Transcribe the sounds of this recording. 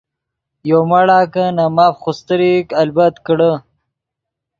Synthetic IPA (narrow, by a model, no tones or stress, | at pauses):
jomaɽaːkənamaːfxust̪əɾikɐlbat̪kəɽə